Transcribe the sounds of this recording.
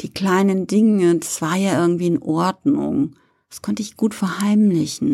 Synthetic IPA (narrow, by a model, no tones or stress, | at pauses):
d̥iːkl̥aɪnəndɪŋədasv̥aːɐjaːʔɪɐɡŋ̩tv̥iːɪnʔɔɐdnʊ̰ŋ | d̥askʰɔntəɪçɡ̥uːtfɛɐhaɪmlɪçn̩